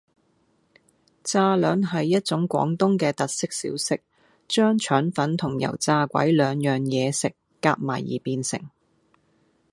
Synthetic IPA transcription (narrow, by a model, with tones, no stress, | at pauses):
t͡saː˧lœː˨˧nɦɐ˨jːɐ˥t̚t͡sʊ˨˥ŋkʷɔ̰ː˨˥ŋt̪ʊ˥ŋkɛː˧t̪ɐ˨t̚sɪ˥k̚sḭː˨˥wsɪ˥k̚ | t͡ʃœː˥ŋt͡ʃʰœː˨˥nfɐ˨˥nt̪ʰʊ˨˩ŋjɐ̰˨˩wt͡saː˧kʷɐ̰˨˥jlœː˨˧ŋjœː˨ŋjɛː˨˧sɪ˨kːaː˧k̚maː˨˩jḭː˨˩piː˧nsɪ̰˨˩ŋ